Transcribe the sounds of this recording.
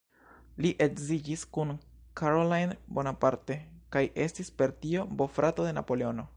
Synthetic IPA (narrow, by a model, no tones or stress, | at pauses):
liʔe̞kzid͡ʒiskun | kʰaɾolajnbo̞napaɾte̞kajʔe̞stispe̞ɾtio̞bo̞fɾato̞de̞na̰po̞le̞o̞no̞